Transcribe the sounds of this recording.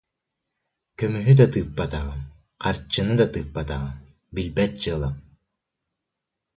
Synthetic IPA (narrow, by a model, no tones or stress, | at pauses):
kœmyɦyd̪at̪ɯːpːat̪aʁɯ | qʰaɾt͡ɕːɯnɯd̪at̪ɯːpːat̪aʁɯ | bilbɛt̪̚t͡ɕɯɐlˠam